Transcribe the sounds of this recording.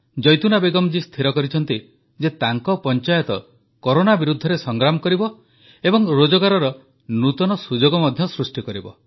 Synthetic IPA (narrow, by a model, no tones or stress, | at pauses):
d͡ʒɔjt̪unabeɡɔmd͡ʒist̪ʰiɾɔkɔɾit͡ʃʰɔnt̪i | d͡ʒet̪aŋkɔpɔnt͡ʃajɔt̪ɔ | koɾonabiɾud̪ʱːɔɾesɔŋɡɾamɔkɔɾibɔ | ebɔŋɾod͡ʒɔɡaɾɔɾɔ | nut̪ɔnɔsud͡ʒoɡɔmɔd̪ʱjɔsɾusʈikɔɾibɔ̰